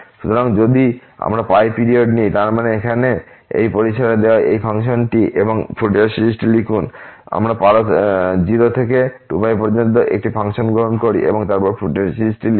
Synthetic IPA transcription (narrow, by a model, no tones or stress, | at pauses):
ʃut̪oɾaŋd͡ʑod̪ia̰mɾapajpiɾioɖnijt̪aɾmaneekʰane | ḛjpoɾiʃaɾed̪eoaʔejpʰaŋʃonʈiʔeboŋfʰuʈeɾsilisʈilikʰuna̰mɾapaɾot̪d͡ʑiɾot̪ʰekeʈupajpoɾd͡ʑont̪̬oʔḛk̚ʈipʰaŋʃonɡɾoɦonkoɾḭʔḛboŋt̪aɾpɔɾfuʈeɾsiisʈili